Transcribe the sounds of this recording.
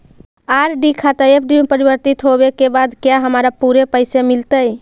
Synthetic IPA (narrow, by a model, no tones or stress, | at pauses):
aɾɖikʰat̪aepʰɖimepəɾibəɾt̪it̪ɦobekebad̪kjaɦəmɾapuɾepəɪsemilt̪əj